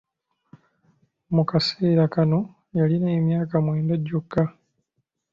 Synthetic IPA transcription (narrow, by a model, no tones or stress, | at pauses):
mukaseːɾakano̞ | jalinaemjaːkamweːndaɟːokːa